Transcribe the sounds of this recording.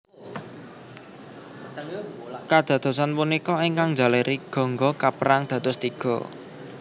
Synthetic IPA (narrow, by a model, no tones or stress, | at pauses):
kad̪̥ä̤d̪̥o̤sanpunikɔeŋkaŋd͡ʒa̤leɾiɡ̥ɔ̤ŋɡɔkapəɾaŋd̪̥ä̤t̪ʊst̪iɡ̥ɔ̤̰